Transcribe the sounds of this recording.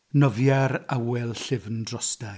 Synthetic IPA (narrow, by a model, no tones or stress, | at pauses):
nɔvjɛɾawɛlˠɬɪvndrɔsda